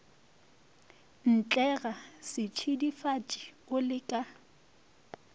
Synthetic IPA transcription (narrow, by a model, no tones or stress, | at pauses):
n̩t͡ɬʼɛɣasɪt͡ʃʰidifat͡ʃʼi̥ʊlɪkʼa